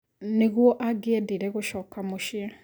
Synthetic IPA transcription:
neɣwɔʔaɡeɛdiɾɛɣoʃɔːkamoʃja

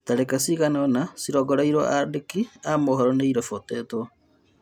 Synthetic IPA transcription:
taɾekasiɣaneonasiɾɔɡɔɾaiɾo̰ʔadekiamoɦɔɾɔneiɾefoteto

